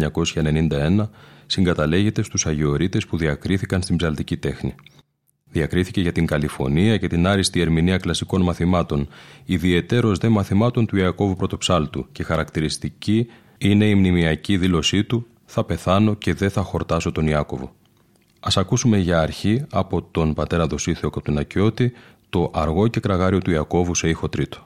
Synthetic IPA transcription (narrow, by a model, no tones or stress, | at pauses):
ɲɐko̞sçɐene̞nind̪ɐe̞nɐsiŋɡɐt̪ɐle̞ʝe̞t̪e̞st̪usɐʝeo̞ɾit̪e̞spuðiɐkɾiθikɐnst̪imbzɐlt̪icit̪e̞xni | ðiɐkɾiθice̞ʝɐt̪iŋɡɐlifo̞̰niɐce̞t̪inɐɾist̪ie̞ɾminiɐklɐsiko̞nmɐθimɐt̪o̞niðie̞t̪e̞ɾo̞zðe̞mɐθimɐt̪o̞nt̪uiɐko̞vupɾo̞t̪o̞psɐlt̪ucexɐɾɐkt̪iɾist̪ici | ine̞imnimiɐciðilo̞sit̪u | θɐpe̞θɐno̞ce̞ðe̞θɐxo̞ɾt̪ɐso̞t̪o̞niɐko̞vo̞̰ | ɐsɐkusume̞ʝɐːɾçiɐpo̞t̪o̞npɐt̪e̞ɾɐðo̞siθe̞o̞kɐp̚t̪unɐco̞t̪i | t̪o̞ʔɐɾɣo̞ce̞kɾɐɣɐɾio̞t̪uiɐko̞vuse̞ixo̞t̪ɾit̪o̞̥